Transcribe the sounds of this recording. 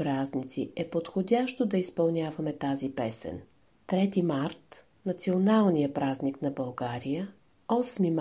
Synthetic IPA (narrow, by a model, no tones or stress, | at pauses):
pɾaznit̪siɛpot̪xodʲaʃt̪od̪ɐispɐlˠnʲavɐmɛt̪azipɛsɛ̰n | t̪ɾɛt̪imaɾt̪ | nɐt̪sionalˠnijəpɾazniknɐbɐlˠɡaɾijə | ɔsmim